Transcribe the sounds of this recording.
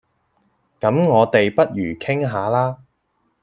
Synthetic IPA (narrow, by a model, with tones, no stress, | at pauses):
kɐ˨˥mŋɔː˨˧t̪e˨jpɐ˥t̚jyː˨˩kʰɪ˥ŋɦaː˨˧laː˥